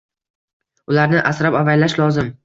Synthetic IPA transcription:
ʊlaɾnɪʔasɾapavajlaʃlɒzɪm

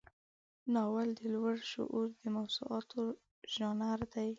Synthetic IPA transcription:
nɑwald̪əlwaɽʃʊ̰ʔuɾd̪əmawz̥ṵʔɑt̪ʰo | ʒ̥ɑnaɾd̪aj

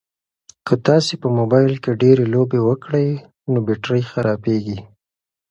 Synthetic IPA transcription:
kət̪ɑsepəmobɑjlkeɖeɾelobewəkɽəj | nobeʈɾəjxaɾɑpeɡi

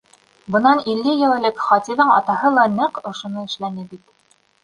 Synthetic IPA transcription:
bɤ̆nɑnilːɘjɘ̆wɘ̆lɘkχɑt̪ʲiðɤɴɑ̰t̪ɑɦɤlˠɑnɘqŏʃŏnɤɘ̆ʃlænɘbit̪

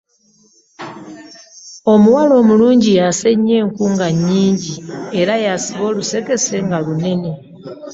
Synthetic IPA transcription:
o̞muwalo̞ːmuluːɲɟijaseɲe̞ːŋkuːŋɡaɲːiːɲɟieɾajasiβo̞ːluse̞ke̞se̞ŋɡalune̞ne̞

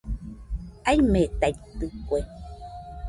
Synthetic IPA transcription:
ajmeʔt̪ajt̪ɨkʷe

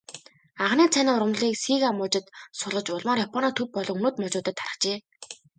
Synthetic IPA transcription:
aʁniːt͡sʰaniːʊrʁə̆mɮiːksiːkamʊːt͡ɕɪ̆t̪sʊɮʁə̆t͡ɕʊɮmaːɾjapʰɔnɔːt̪ʰɵp̚pːɔɮɞ̆ŋunoːt̪mɔt͡ɕʊːt̪ə̆t̪ʰːaɾə̆t͡ɕeː

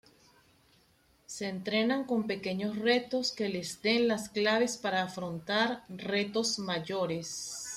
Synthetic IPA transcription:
se̞ːnt̪ɾe̞naŋko̞mpe̞ke̞ɲo̞sre̞t̪o̞ske̞le̞zd̪e̞nlasklaβe̞spaɾaːfɾont̪aɾre̞t̪o̞zmaʝo̞ɾe̞s

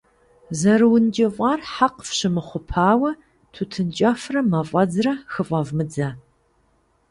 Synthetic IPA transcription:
zɐɾɨwʊnd͡ʒɪvʷʼɑrħaqfɕɪmɨχʷʊpʰaːwɐ | tʰutʰɨnt͡ʃʼɐfrɐmɐfʷʼɐd͡zrɐxɨfʼɐvmɨd͡zɐ

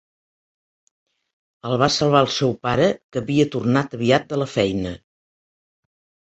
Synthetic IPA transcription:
əlˠβ̞asəlˠβ̞aəlˠsɛwpaɾəkəβiət̪urnat̪əβiat̪̚d̪ələfɛjnə

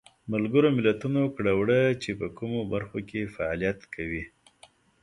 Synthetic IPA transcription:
malɡəɾomɪlat̪unokɽawɽət͡ʃepəkumobaɾxokefaa̰lijat̪kʰawi

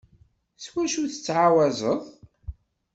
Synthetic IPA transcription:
swæʃuθə̥t͡sːʕawæzˤəðˤ

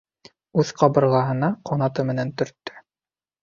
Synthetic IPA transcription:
ʉðqɑbɤ̆ɾʁɑɦɤ̆nɑqʰonɑt̪ɤmɘ̆nænt̪ɵ̆ɾt̪ːɵ̥

